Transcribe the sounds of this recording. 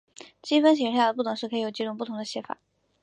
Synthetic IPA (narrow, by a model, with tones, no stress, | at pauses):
t͡ɕi˥fə˥nɕ̬jɛ˨˩˥ja˥˩d̪ə˩p̬u˥˩ʊ˧˥ŋʂ̩˥˩kʰɤ˧˥i˧˥jo˨˩ʊt͡ɕi˥ʈ͡ʂʊ˨˩ŋpu˥˩t̪ʰŋd̪ə˧ɕjɛ˥fa̰˨˩˦